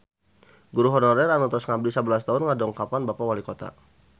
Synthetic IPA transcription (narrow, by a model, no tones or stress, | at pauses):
ɡuɾuɦɔnɔɾɛranɔt̪ɔsŋablisabəlast̪aɦʊnŋadɔŋkapanbapawalikot̪a̰